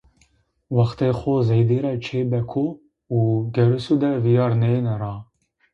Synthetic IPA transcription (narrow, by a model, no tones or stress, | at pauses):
wɑxt̪eːxozejd̪eːɾɛt͡ʃʰeːbɛkʰu | uɡɛɾusud̪ɛvijɑːɾnenɛɾɑː